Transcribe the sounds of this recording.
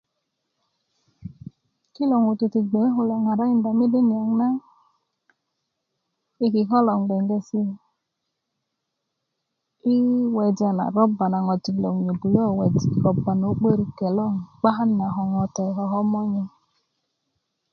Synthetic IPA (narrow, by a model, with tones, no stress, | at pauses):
ki˦lɔ˨ŋu˨tu˨ti˨ɡ͡be˨˦ɦu˨lɛ˨ŋa˨ɾa˦ɲ˨n˦da˨mi˦de˦ni˨a˨ŋ˦na˦ | i˦ki˨ɦɔ˦lɔ˨ŋ˨ɡ͡bɛ˨ŋ˦ɡe˨si˦˨ | i˦wɛ˨d͡ʒa˨na̰˨ɾɔ˦ba˨na˨ŋɔ˨ti˨lo˨ŋ˨ɲo˨bu˨jɔ˦˨wɛ˨di˨ɾɔ˨ba˨no˨˦k͡pe˦ɾi˨kɛ˨lɔ˦˨ŋ˨k͡pa˦ɦa˦n˦a˨ɦɔ˨ŋɔ˨tɛ˨ɦɔ˨ɦɔ˦m˦ɔ˦ɲɛ˦